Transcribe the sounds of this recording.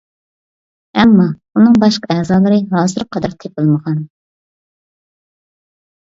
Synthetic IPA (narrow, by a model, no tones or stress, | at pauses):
ɛmːɑ | unɨŋbɑʃqɑɛːzɑːlˠɨɾɨɦɑːzɨɾqʰːɑd̪ɑɾt̪ʰepɨlˠməʁɑn